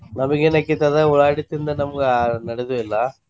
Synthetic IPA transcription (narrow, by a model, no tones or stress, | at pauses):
nɐmɐɡenɐkːit̪ɐðɐuɭaːɽit̪ːind̪ɐnɐmɐɡenɐɽed̪uʋɛlːɐ